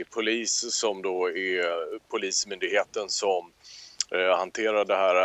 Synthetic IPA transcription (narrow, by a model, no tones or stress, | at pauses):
pʰʊliːssɔmd̪oːæɾpʰʊliːsmʏnd̪ɪɡheːt̪ənsɔm | hant̪ʰeːɾaɖɛɦæːɾ